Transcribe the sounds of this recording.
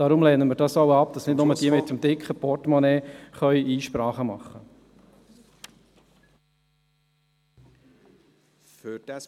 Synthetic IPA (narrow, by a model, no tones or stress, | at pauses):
ɑɾʊmlɛːnəmɪːɾdɑsɔʊɑp̚d̥ɑsnɪdnʊməd̥iəmɪtːəmd̥ɪkχəpɔtmɔnɛːχœʏiːʃpɾɑːχəmɑ̰χːə | fyd̥ɛ